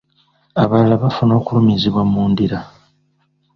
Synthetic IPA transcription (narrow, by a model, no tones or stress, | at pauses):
aβalalaβafuno̞ːkulumiziβwamːuːndiɾa